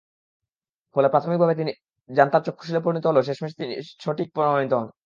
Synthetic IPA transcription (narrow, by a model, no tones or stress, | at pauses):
kolapɾat̪ʰomik̚bʱabet̪ini | d͡ʑant̪aɾt͡ɕokʰːo̥ʃ̬ilep̬ɾoɾinit̪oɦoloʃ̬eʃmeʃ̬e̥t̪inḭʃoʈik̚pɾoɾamonit̪oɦɔn